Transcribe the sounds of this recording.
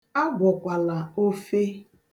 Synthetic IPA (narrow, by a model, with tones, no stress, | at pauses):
a˦ɡʷɔ˨kʷa˨la˨o˦fe˦